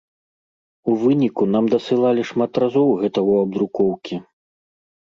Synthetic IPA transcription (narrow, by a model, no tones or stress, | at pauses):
uvɨnʲikunamd̪ɐsɨlˠalʲiʂmat̪razɔwɣɛt̪ɐuɐb̚d̪ɾukɔwkʲi